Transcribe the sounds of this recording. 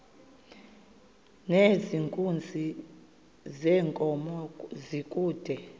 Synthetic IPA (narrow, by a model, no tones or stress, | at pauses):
neziŋkʼund͡zʱi | zɛːŋkʼɔmɔzikʼuːd̥ʱɛ